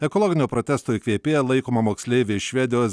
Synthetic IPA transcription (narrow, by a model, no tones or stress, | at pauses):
ɛkɔlˠɔːɡʲɪnʲuːpɾoːt̪ʲɛst̪oːikʲʋʲiɛpʲeːjɛlˠɐɪkoːmɐmoːksʲlʲeːʋʲɪʃʲʋʲɛd̪ʲɪjoːs